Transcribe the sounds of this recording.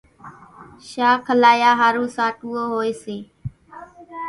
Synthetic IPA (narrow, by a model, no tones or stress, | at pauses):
ʃaːkʰəlaːjaːɦaːɾũːsaːʈuːoːɦoːeːseː